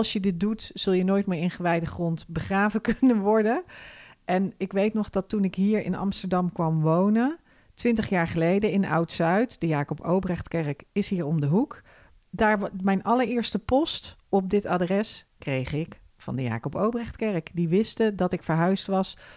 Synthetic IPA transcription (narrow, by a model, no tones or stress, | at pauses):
ɑlˠsjədɪt̚dutsɵlˠjənoːjtmɪːɹɪnχəʋɛjdəχrɔntbəχraːvəkɵnənʋɔɹdəʔɛnɪkʋejtnɔχdɑtːunɪkɦiːɹɪ̰nɑ̰mstəɹdɑmkʋɑmʋownən | tʋɪntəχjaːɹχəlejdəɪna̰wtsœɥtd̥əjaːkɔpowbrɛχtkɛɹkɪsɦiːɹɔmdəɦuk | daːɹmɛjnʔɑləɹɪːɹstəpɔstɔp̚dɪtaːdrɛskrejχɪk | fɑ̰ndəja̰ːkɔpowbrɛχtkɛɹkdiʋɪstədɑtɪkfəɹɦœɥstʋɑs